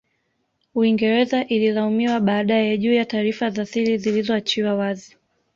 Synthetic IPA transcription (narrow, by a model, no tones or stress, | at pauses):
uiŋɡɛɾɛzaʔililaumiwaɓaːɗajɛʄuːjataːɾifaðaθiɾizilizɔat͡ʃiwawazi